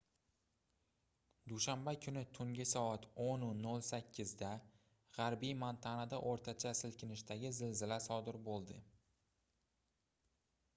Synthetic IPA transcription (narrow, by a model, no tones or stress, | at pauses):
d̪uʃambakʰʊnɪt̪ʰʊŋɡʲɪsɒat̪ʰonʊnolˠsakʲʰːɪzd̪a | ʁaɾbijmant̪ʰanad̪aʔoɾt̪ʰat͡ʃʰasɪlkʲʰɪnɪʃt̪aɡʲɪzɪlzɪlasɒd̪ɪɾbolˠd̪ɪ